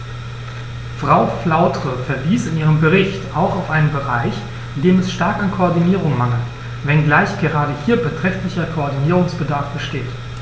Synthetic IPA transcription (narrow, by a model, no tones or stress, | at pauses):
fʁ̥aʊflaʊtʁ̥əfɛɐviːsɪnʔiːʁ̞əmbəʁɪçtaʊxaʊfʔaɪnənbəʁaɪç | ʔɪndeːmɛsʃtaɐkankʰoɔɐdiniːʁʊŋmaŋl̩t | vɛnɡlaɪçɡ̥əʁaːɾəhiːɐbətʁ̥ɛçtlɪçɐkʰoɔɐdiniːʁ̞ʊŋsb̥ədaɐfb̥əʃteːt